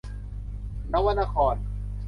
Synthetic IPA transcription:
na˦˥wa˧nʔa˧kʰɔː˧˩n

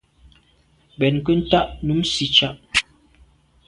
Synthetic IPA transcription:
bɛ˨nkə˦n̩˦ta˦ʔnu˨˦msi˦t͡ʃa˦ʔ

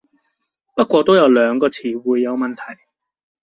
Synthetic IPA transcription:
pɐ˥t̚kʷwɔː˧t̪o˥wjɐ˨˧wlœː˨˧ŋkɔː˧t͡sʰiː˨˩wuː˨˧jːɐ˨˧wmɐ˨nt̪ʰɐ˨˩j

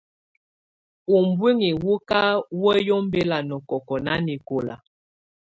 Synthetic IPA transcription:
u˨m˨bwi˦ŋi˨wu˦ka˦wɛ˦jɔ˦m˦be˦la˨nɔ˨kɔ˨kɔ˨na̰˦ni˨ko˨la̰˨

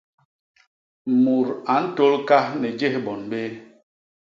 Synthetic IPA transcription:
mu˨ɾa˨n̩˦to˦lka˦hnɛ˨d͡ʒe˦hbɔ˨nbe˦

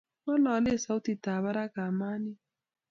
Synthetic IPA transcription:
mɔ˦lɔ˨˦le˦˨sa˨˦u˦ti˨ta˨βa˦ɾa˦ka˨ma˦ni˦

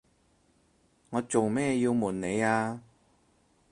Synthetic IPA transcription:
ŋɔː˨˧t͡so˨wmɛː˥ji˧wmuː˨˩nne˨˧jaː˧

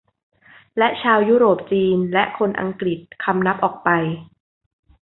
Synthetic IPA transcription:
lɛ˦˥ʔt͡ɕʰaː˧wjuː˦˥ɾoː˨˩p̚t͡ɕiː˧nlɛ˦˥ʔkʰo˧nʔa̰˧ŋkɾi˨˩t̪̚kʰa˧mna˦˥p̚ʔɔː˨˩k̚pa˧j

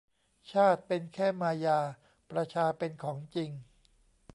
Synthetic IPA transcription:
t͡ɕʰaː˥˩t̪̚pe˧nkʰɛː˥˩maː˧jaː˧ | pɾa˧t͡ɕʰaː˧pe˧nkʰɔː˩˦ŋt͡ɕi˧ŋ

